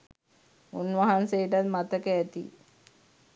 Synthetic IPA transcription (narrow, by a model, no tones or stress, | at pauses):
unʋaɦansejəʈat̪mat̪əkəæt̪ḭ